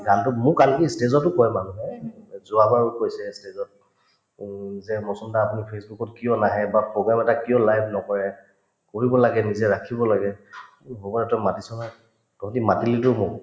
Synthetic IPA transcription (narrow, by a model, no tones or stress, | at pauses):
ɡantʊmʊkalkistezɔtʊkɔjɛmanuɦɛzʊabaɹʊkojsɛstezɔt̚ | zɛmɔsɔmdaːpunipʰesbukɔtkijɔnaɦɛbapɹoɡɹamɛtakijɔlajbnɔkɔɹɛ | koɹibɔlaɡɛnizɛɹakʰibɔlaɡɛ | ɦobɔnɛtɔjmatisɔnaj | tɔɔtimatilitʊmʊ